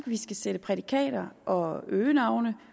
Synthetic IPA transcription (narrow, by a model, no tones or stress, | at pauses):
ɡ̥ʋisɡ̥æsed̥əpʰʁɛd̥ikʰɛ̰ːɾ̥ɐʔɒ̽øːnɑ̈ʊnə